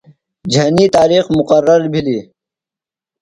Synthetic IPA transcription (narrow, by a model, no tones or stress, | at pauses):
d͡ʑʱɐniːt̪aːɾiːxmʊqəɾːɐɾbʱiliː